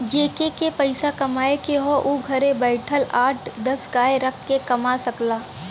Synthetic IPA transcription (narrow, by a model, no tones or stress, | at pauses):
d͡ʒeːkekepɐɪsakɐmaːekeɦoʔuɡʱɐɾẽbɛːɪʈʰəlaːʈʰd̪ɐsɡaːeɾɐkʰːekɐmasɐklaː